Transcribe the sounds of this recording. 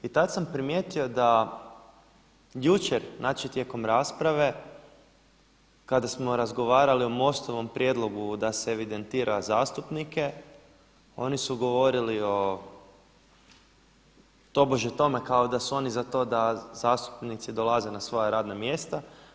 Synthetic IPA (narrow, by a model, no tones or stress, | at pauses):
it̪at̪sampɾimje̞t̪io̞d̪a | jut͡ʃeɾnʔat͡ʃet̪je̞ko̞mɾaːspɾaʋe̞ | kad̪asmo̞ɾazɡo̞ʋaːɾaliomo̞st̪o̞ʋo̞mpɾje̞d̪lˠo̞ɡud̪aseeʋid̪ent̪iːɾʔazaːst̪upnike̞ | o̞nisuɡo̞ʋo̞ɾilio̞ | t̪o̞boʒet̪o̞me̞kao̞d̪asuo̞nizat̪o̞d̪azaːst̪u̥pnit̪sid̪o̞lazenasʋo̞jaɾaːd̪namje̞st̪a